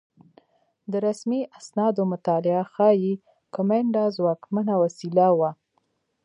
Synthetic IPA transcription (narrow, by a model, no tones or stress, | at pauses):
d̪əɾasmiʔasnɑd̪omʊt̪ɑlɪaxɑji | kʊmɛɳɖɑzwɑkmanawasilawa